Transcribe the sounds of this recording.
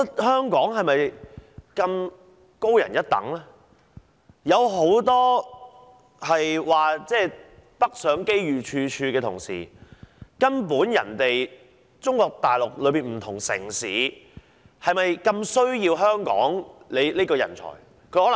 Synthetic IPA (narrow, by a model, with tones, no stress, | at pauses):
hœː˥ŋkɔː˨˥ŋɦɐ˨jmɐ˨jkɐ˧m | ko˥wjɐ̰˨˩njɐ˥t̚t̪ɐ̰˨˥ŋlaː˥ | jɐ˨˧wɦo˨˥wt̪ɔː˥ | hɐ˨jwaː˨˩t͡sɛː˥˧pɐ˥k̚sœː˨˥ŋke˥jɥyː˨t͡ʃʰyː˧t͡ʃʰyː˧kɛː˧ʊ˨˩ŋsḭː˨˩kɐ˥np̬uː˨˥njɐ̰˨˩nt̪e˨j | t͡sʊ˥ŋkɔː˧k̚t̪aː˨˩jlʊ˨k̚lɵ˨˧ɥpiː˨nm̩˨˩t̪ʰʊ˨˩ŋsɪ̰˨˩ŋsiː˨˥ | hɐ˨jmɐ˨jkɐ˧msɵ˥ɥjiː˧wɦœː˥ŋkɔ̰ː˨˥ŋle˨˧jleː˥kɔː˧jɐ̰˨˩nt͡sʰɔ̰ː˨˩j | kʰɵ˨˧hɔː˨˥l